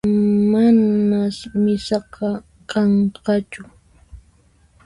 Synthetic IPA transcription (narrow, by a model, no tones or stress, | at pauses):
manmasmɪsɑqɑ | kɑɴqɑt͡ʃʊ